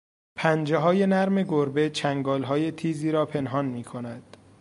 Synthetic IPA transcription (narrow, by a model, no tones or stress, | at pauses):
pʰænd͡ʒeɦɒːje̞næɾme̞ɡoɾbet͡ʃʰæŋɡɒːlɦɒːje̞t̪ʰiːziːɾɒːpʰe̞nɦɒːnmiːkʰonæd̪̥